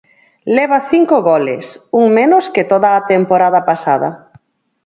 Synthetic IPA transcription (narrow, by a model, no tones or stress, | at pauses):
lɛβ̞ɐθiŋkoɣɔlɪ̰suŋmenʊskɪt̪oðaːt̪empoɾað̞ɐpasað̞ɐ̰